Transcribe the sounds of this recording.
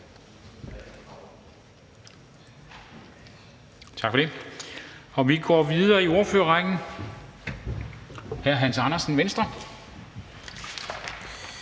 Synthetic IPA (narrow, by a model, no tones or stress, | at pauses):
t͡sʰɑ̈ɡ̥fɒ̽d̥e̝ | ɒ̽ʋiɡ̥ɒːʋiðˠɐːio̝ːɐføːɐʁɑŋ̥n̩ | hæɐɦænsɑ̈nɐsn̩ʋensd̥ʁɐ